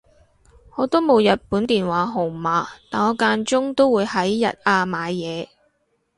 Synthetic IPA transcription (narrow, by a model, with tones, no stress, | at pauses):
ŋɔː˨˧t̪o˥wmo˨˧wjɐ˨t̚puː˨˥nt̪iː˨nwaː˨˥ɦo˨˩maː˨˧t̪aː˨jɔː˨˧kaː˧nt͡ʃʊ˥ŋt̪o˥wuː˨˧jhɐ˨˥jːɐ̰˨t̚aː˧maː˨˧jjɛː˨˧